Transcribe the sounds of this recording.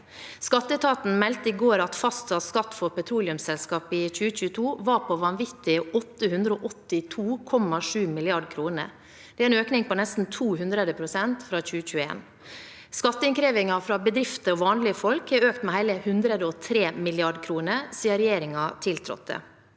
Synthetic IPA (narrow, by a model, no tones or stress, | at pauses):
skɑt̪ːət̪ʰɑːt̪n̩mɛlt̪əɪɡoːɾɑt̪fɑst̪sɑt̪skɑt̪ːfɔɾpɛt̪ʰɾuːlɪʉmsɛlskɑːpɪc͡çʉːəc͡çʉːət̪ʰuːʋɑɾpʰɔʋɑnʋɪt̪ɪəɔt̪ːəhʉnd̪ɾəoːʔɔt̪ːɪt̪ʰuːkʰɔmːɑʂʉːmɪlɪɑɖkʰɾuːnə̰ɾ | d̪ɛæɛːnøːknɪŋpɔnɛst̪n̩t̪ʰuːhʉnd̪ɾəd̪əpʰɾʊsɛnt̪fɾɑːc͡çʉːəc͡çʉːḛːn | skɑt̪ːəɪnkʰɾeːʋɪŋɑfɾɑːbəd̪ɾɪft̪əɔːʋɑːnlɪəfɔlkhæɾøːkt̪mɛhæɪləhʉnd̪ɾəd̪əɔt̪ʰɾeːmɪlɪɑɖkʰɾuːnəsiːəɾɛjeːɾɪŋɑt̪ʰɪlt̪ʰɾɔ̰t̪̚ːə̰